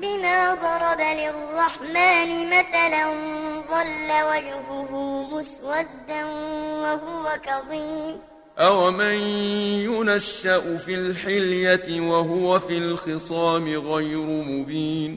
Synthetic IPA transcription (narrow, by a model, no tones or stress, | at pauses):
bɪmaːd̪ˤɑɾˤɑbalɪrˤːɑħmaːnɪmaθalanðˤɑlːawad͡ʒhʊɦʊmʊswad̪ːanwaɦʊwakɑðˤiːm | ʔawmanjʊnaʃːaʔʊfilħɪljat̪ɪwaɦʊwafilxɪsˤɑːmɪɣajɾʊmʊbiːn